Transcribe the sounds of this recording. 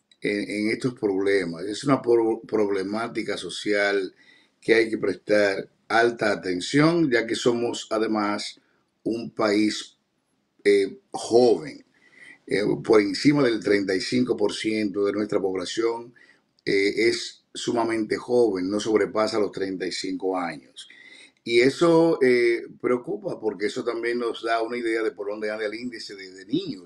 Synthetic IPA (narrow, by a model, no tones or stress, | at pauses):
eeŋe̞st̪o̞spɾo̞βle̞mase̞sunappɾo̞βle̞mat̪ikaso̞sjal | ke̞ajke̞pɾe̞st̪aɾ | alt̪aːt̪e̞nsjo̞ŋɟ͡ʝake̞so̞mo̞saðe̞mas | umpais | exo̞βe̞̰ŋ̰ | po̞ɾe̞nsimaðe̞lt̪ɾe̞nt̪ajsiŋko̞po̞ɾsje̞nt̪o̞ðe̞nwe̞st̪ɾapo̞β̞lasjo̞ŋ | eesː | umamẽ̞nt̪e̞xo̞βe̞nːo̞so̞βɾe̞pasalo̞st̪ɾe̞nt̪ajsiŋko̞aɲos | ie̞so̞epɾe̞okupapo̞ɾke̞eso̞t̪ambje̞nːo̞zðaunaiðe̞aðe̞poɾðo̞nd̪eand̪ealind̪iseðeðenĩɲo